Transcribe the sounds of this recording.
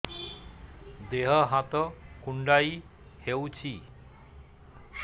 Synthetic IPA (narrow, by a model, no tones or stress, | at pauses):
d̪eɦəɦat̪əkuɳɖai | hewt͡ɕʰi